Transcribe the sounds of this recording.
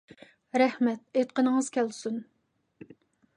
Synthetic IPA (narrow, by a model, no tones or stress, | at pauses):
ɾɛhmɛt̪̚et̪̚qənəŋəz̥kʲɛlsun